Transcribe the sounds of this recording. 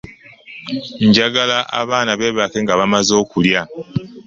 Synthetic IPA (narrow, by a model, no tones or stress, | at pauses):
ɲɟaɡalaʔa̰βaːnaβe̞ːβake̞ŋɡaβamazo̞ːkulja